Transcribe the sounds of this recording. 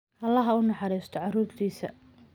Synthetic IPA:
ʔɐlːɐɦɐʊnɑħɑɾiːst̪ʰɔʕɑruːrt̪ʰiːsɐ̰

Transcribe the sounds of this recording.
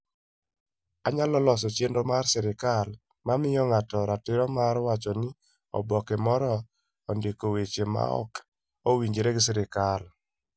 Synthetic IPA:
aɲalɔlɔs̬ɔt͡ʃendomarsɛɾɪkal | mamɪjɔŋatɔɾatɪɾɔmaɾwat͡ʃɔnɪ | ɔ̰bɔkɛmɔɾɔː | ndekowet͡ʃema̰ɔ̰k | owiɲd͡ʒeɾeɡɪs̬ɛɾɪkal

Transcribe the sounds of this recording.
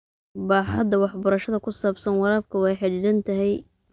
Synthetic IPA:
baːħɑd̪ɐwɑħbɐɾɐʃɐðɐkʰʊsaːbsɐnwɑɾaːb̚kʰɐwɑjħɑt͡ʃdɐnt̪ʰɐɦɛj

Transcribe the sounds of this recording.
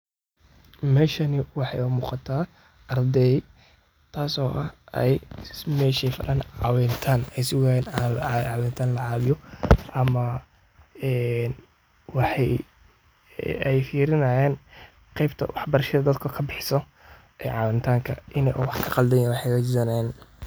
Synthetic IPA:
mɛːʃɐnɪwɑħɑjʊmuːqɑt̪ʰaː | ʔɐrd̪ɛ | t̪ʰaːsɔːʔɐhʔɛ̰jmɛːʃɛjfɐ̰lɐnʕɑwɛnt̪ʰaːnɛjsɪwaːjɛːnːʕɑwɛːnt̪ʰaːnlɐʕɑːβɪjɔʔɐmɐ | ɛːn | wɑħɑj | ɛjfiːɾɪnɐjɛːn | qɛjbt̪ʰɐ̰wɑħbɐɾɐʃɐðɐd̪ɐd̪kʰɔkʰɐbɪħsɔ | ʔɛjʕɑwɪnt̪ʰaːŋkʰɐʔɪnɛʔwɑħkʰɐqɑld̪ɛjɛwɑħɑjwɐd͡ʒɪzɐnɛːn

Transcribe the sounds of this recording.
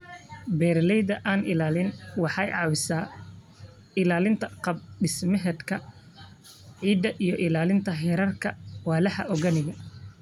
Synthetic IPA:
bɛːrlɛjðɐʔaːnʔɪlaːlɪnwɑħɑjʕɑːwɪsaː | ɪlaːlɪnt̪ʰɐqɑb̚ɖɪsmɪɦɛd̪kʰɐ | ʕiːd̪ɐʔijɞʔɪlaːlɪnt̪ʰɐɦɛːɾɐrkʰɐwaːlɐħɐ̰ʔɔɣɐnɪɣɐ

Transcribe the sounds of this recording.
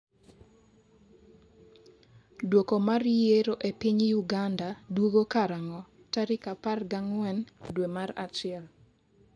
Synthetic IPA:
dwokomarjeɾoʔepiɲjuɡandadwoɡokaɾaŋɔ | taɾɪkaparɡaŋwɛndwemaɾa̰t͡ʃɪɛl

